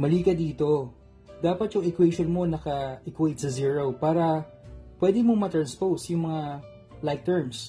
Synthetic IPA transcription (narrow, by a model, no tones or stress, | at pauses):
mɐliːkɐd̪iːt̪o̞ | d̪aːpɐt̪jʊŋɛkwɛjʃonmo̞nɐkɐʔɪkwɛjt̪̚sɐziːɹowpaːɾɐ | pwɛd̪ɪmoŋmɐt̪ɾɐnspowsjʊŋmɐŋa | lajk̚t̪ɛɹms